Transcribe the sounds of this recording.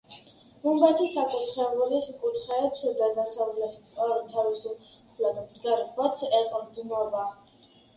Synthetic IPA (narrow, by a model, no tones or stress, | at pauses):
bumbat̪ʰisakʼut̪ʰχɛvulisukʼut̪ʰχɛːpsɔd̪ad̪asavlɛt̪ʰʼaɾut̪ʰaɾisuχlat̪md̪ɡaɾbɔt̪sʰɛqʼɔmd̪nɔba